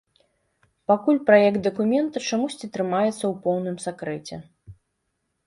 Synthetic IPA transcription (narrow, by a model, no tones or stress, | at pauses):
pakulʲpɾajɛkt̪̚d̪ɐkumʲɛnt̪ɐt͡ʂamusʲt͡sʲit̪ɾɨmajɛt̪sːɐwpɔwnɨmsakɾɛt͡sʲɛ̰